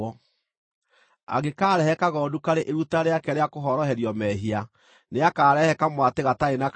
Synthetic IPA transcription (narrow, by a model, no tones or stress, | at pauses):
ɔ | a̰ɣekaːɾɛhɛkaɣɔːdukaɾeʔeɾutaɾeakɛɾeakoɦɔɾɔɦɛɾjɔmɛɦia | neakaːɾɛhɛkamwateɣataena